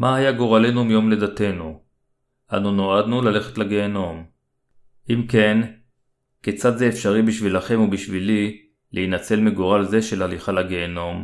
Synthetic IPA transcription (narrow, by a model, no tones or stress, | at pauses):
maɦajaɡoʁale̞numjo̞mle̞d̪at̪e̞nu | ʔa̰nuno̞ad̪nulale̞χet̪laɡeːno̞m | ʔimken | ket͡sad̪zeːfʃaʁibiʃvilaχe̞mubiʃvili | lʔeinat͡se̞lmeɡoʁalze̞ʃe̞laliχalaɡeːno̞m